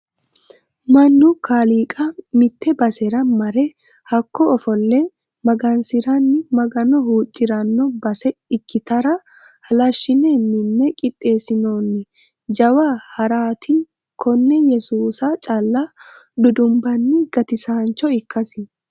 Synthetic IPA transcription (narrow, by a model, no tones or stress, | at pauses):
mɐnːʊkʰaːliːkʼɐmɪt̪ːɛbɐsɛɾɐmɐɾɛ | hɐkːɔɔfɔlːɛ | mɐɡɐnsɪɾɐnːɪmɐɡɐnɔhuːt͡ʃʼːɪɾɐnːɔbɐsɛɪkːɪt̪ɐɾɐ | hɐlɐʃːɪnenːɪnːɛkʼɪt̪ʼːe̞ːsɪnoːnːɪ | d͡ʒɐwaːhɐɾaːt̪ʰɪ | kʰɔnːɛjɛsuːsɐt͡ʃʼaːlːad̪ʊd̪ʊmbɐnːɪɡ̥ɐt̪ɪsaːnt͡ʃːɔɪkːɐsɪ